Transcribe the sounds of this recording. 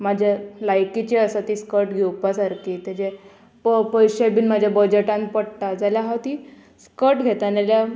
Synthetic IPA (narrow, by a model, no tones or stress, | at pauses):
mad͡ʑʱelajkit͡ɕeəsat̪iskəɾʈɡʱewpasaɾkiːt̪ad͡ʑe | pəpəjɕebiːnmad͡ʑʱjabəd͡ʑeʈãnpəɽt̪ad͡zaljaɦat̪i | skəʈɡʱet̪analja